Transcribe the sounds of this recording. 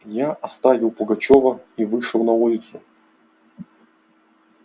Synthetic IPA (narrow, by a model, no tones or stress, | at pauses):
jaʔɐst̪avʲɪlˠpʊɡɐt͡ɕovəivɨʂɨlˠnɐulʲɪt̪sʊ